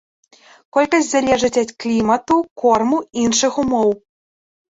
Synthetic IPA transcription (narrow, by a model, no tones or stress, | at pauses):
kɔlʲkɐsʲtʲzalʲɛʐɨt͡sʲɐt̪klʲimɐt̪ukɔrmuinʂɨxumɔw